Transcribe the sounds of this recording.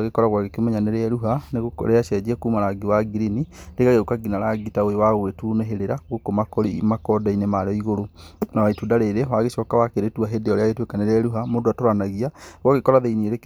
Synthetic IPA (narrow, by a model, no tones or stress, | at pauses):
ɣekɔɾaɣwaɣekemɛɲaneɾeɛɾuɦaneɣokɾeaʃɛd͡ʑiɛkuːmaɾaɡewaɡiɾiniɾeɣaɣeukaɡinaɾaɡitaoewaɣoetuneɦeɾeɾaɣokomakɔɾḭmakɔdainemaɾɔiɣoɾonawaitudaɾeɾewaɣeʃɔkawakeɾetuaɦedeɔɾeaɣetwekaneɾeɛɾuɦamodoatoɾanaɣiaɣaɣekɔɾaðeinieɾek